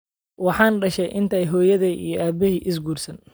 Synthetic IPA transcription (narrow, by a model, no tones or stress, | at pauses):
wɑħɑːnɖɐʃɛjʔɪnt̪ʰɛjɦɔːjɐðɛḭjɔʔaːbɪɦiːʔɪs̬ɡuːrsɐn